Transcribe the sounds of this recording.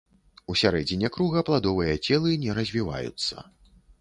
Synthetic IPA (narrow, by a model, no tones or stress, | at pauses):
usʲaɾɛd͡zʲinʲɛkɾuɣɐplˠad̪ɔvɨjɐt͡sʲɛlˠɨnʲɛɾɐzʲvʲiva̰jṵt̪sːɐ̰